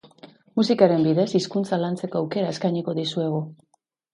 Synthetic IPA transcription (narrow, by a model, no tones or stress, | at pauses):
musikaɾe̞mbiðe̞siskunt͡salant͡se̞koawke̞ɾae̞skajɲiko̞ðisue̞ɣ̞u